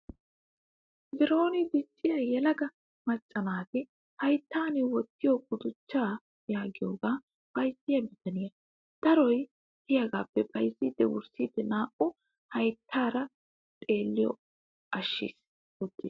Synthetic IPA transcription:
zɪɾo̞ːnɪd̪ɪt͡ʃʼːɪjɐjɛlɐɡɐ | mɐt͡ʃʼːɐnaːt̪ɪ | hɐjt̪ːaːnɪwɔt̪ːɪjɔkʼʊd̪ʊt͡ʃːaː | jaːɡɪjoːɡaː | pɐjzɪjɐbɪt̪ɐnɪjɐ | d̪̥ɐɾɔj | h̪ɪjɐɡaːpːɛpʼɐjzːiːd̪̥ːɛwʊ̰ɾsiːd̪ɛnaːʔʼʊ | hɐjt̪ʰːaːɾɐ | t̪ʼe̞ːlːɪjɔ̰ | ɐʃːḭːs | ʊt̪ːiːs

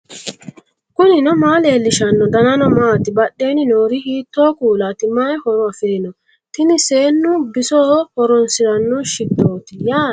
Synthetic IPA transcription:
kʊnɪnɔmaːleːlːɪʃɐnːɔd̪ɐnɐnɔmaːt̪ɪbɐɗːe̞ːnɪnoːɾɪhiːt̪ːoːkuːlat̪ɪmajhɔɾɔɐfeːnɔ | t̪ɪnɪseːnːʊbɪsoːhɔɾɔnsɪɾɐnːɔʃɪd̪ːoːt̪ɪjaː

